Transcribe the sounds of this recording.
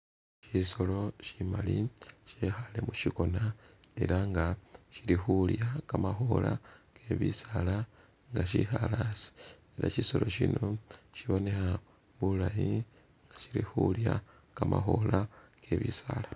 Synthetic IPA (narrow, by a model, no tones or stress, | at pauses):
ʃiso̞lo̞ʃimaliʃexalemuʃiko̞na | e̞̰ɾaŋɡaʃiɾixuljakamaxo̞lʔake̞βisala | ŋɡaʃixalasi̥ | eɾʔa̰ʃiso̞lo̞ʃino̞ʃiβo̞nexa | βulaji | ŋɡaʃiɾixulja | kamaxo̞lakʰe̞βisala